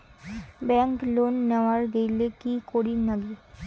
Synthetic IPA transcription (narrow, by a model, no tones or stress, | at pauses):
bɛŋklonːɛʋaɾɡejlekikoɾinaɡi